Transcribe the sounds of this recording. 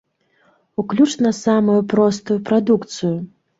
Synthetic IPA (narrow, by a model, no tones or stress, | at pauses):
uklʲut͡ʂnɐsamujupɾɔst̪ujupɾad̪ukt̪sɨju